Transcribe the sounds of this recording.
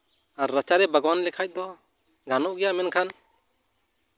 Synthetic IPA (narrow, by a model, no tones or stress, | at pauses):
aɾːət͡ʃaɾɛbaɡwanlɛkʰac̚ˀd̪ɔ | ɡanɔʔɡijamɛnkʰan